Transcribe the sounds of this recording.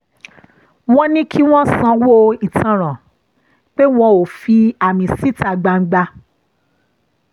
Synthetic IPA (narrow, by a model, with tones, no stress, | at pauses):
w̃ɔ̃˦nĩ˦kʰi˦w̃ɔ̃˦sã˧wo˦ĩ˨tã˨ɾ̃ã˨ | k͡pe˦w̃ɔ̃˧o˨fi˧a˨mĩ˧si˦ta˧˨ɡ͡ba˧ŋ̩˦ɡ͡ba˧